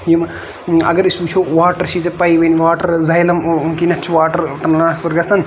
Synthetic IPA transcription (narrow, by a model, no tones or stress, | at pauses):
jim | ɐ̰ɡɐɾisuːt͡ʃʰoːʋaːʈɐɾʃʰiːt͡sɐpɐjʋɐnʋaːʈɐɾzɐjlɐmkinɐt͡ʃʰʋaːʈɐɾʈɐnlɐnasɐɾɡɐsɐn